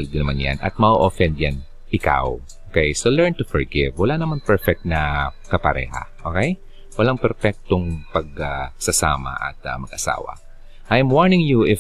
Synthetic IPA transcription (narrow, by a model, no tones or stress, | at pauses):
lɡ̪ɪnɐmanja̰nʔɐ̰t̪̚mɐʔoʔofɛnd̪jan | ʔɪka̰wʔokɛjsolɛɹnt̪ʊfɛɹɡɪvwɐlanɐmanpɛɹfɛk̚t̪̚nɐkɐpɐɾɛ̰ːha̰ʔokɛj | wɐlaŋpɛɾfɛk̚t̪oŋpɐɡ̚asɐsa̰ːmɐ̰ʔɐ̰t̪̚ɐmɐɡʔɐsa̰ːwɐ̰ | ʔajɛmwaɹnɪŋjuɪ